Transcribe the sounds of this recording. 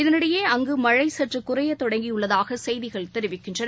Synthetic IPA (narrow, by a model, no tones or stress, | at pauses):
ɪðɐnɪɽɐjeːɐŋɡɯmɐɻɐɪsɐʈrɯkʊrɐjɐt̪ɔɽɐŋɡijʊɭːɐðaːɣɐsɛjðɪɣɐɭt̪ɛɾɪʋɪkːɪndrɐnɐ